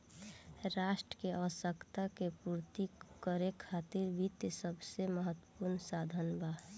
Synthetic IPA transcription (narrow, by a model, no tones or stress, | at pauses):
ɾaːʃʈɾəkeʔəʋsəkt̪akepuːɾt̪ikəɾekʰaːt̪iɾbʱit̪jsəbʱseməɦət̪wə̥puɾnsaːd̪ʱənba